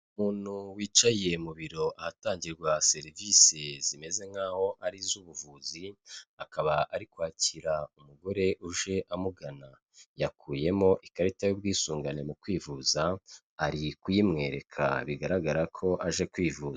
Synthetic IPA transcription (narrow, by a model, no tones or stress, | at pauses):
umuːn̥huwiːt͡ʃaje̞muβiɾo̞ʔahataːɲɟiɾɡwase̞ɾivise̞zime̞ze̞ŋhaːho̞ʔaɾizuːβuvuziakaβaʔaɾikwaːciɾaumuɡo̞ɾe̞ʔuʒe̞ʔamuɡana | jakʰuːje̞mo̞ʔikaɾitajobɡiːsuːŋɡane̞mukwiːvuzaː | ɾikujimŋe̞ːɾe̞kʰa̰βiɡaɾaɡaɾakʰo̞ʔaʒe̞kwiːvuːza